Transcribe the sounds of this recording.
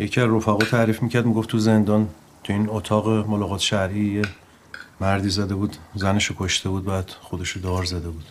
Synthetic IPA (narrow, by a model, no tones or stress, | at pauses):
jecʰiæzro̞fæɣɒːt̪ʰæɾiːfmiːcʰæɾd̪miɡo̞ft̪ʰuze̞nd̪ɒːn | t̪ʰuiːnot̪ʰɒːɣemolɒːɣɒːt̪ʰʃæɾʔije | mæɾd̪iːzæd̪e̞buːd̪zæne̞ʃokʰoʃt̪ʰe̞buːd̪̚bæːd̪̥xod̪e̞ʃod̪ɒːɾzæd̪e̞buːd̪̥